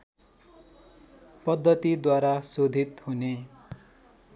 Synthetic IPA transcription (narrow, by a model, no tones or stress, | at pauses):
pʌd̪ʱːʌt̪id̪waɾasod̪ʱit̪hune